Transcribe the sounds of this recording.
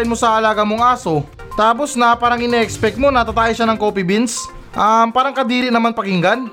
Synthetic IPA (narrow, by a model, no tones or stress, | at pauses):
ɪnmo̞sɐʔɐlaːɡɐmoŋʔaːso̞ | t̪aːp̬o̞snɐpaːɾɐŋɪnɛʔɛkspɛk̪̚mo̞nɐt̪at̪aːʔjɪʃanɐŋkoːpɪbins | ʔɐmpaːɾɐŋkɐd̪iːɾɪnɐmanpɐkɪŋɡan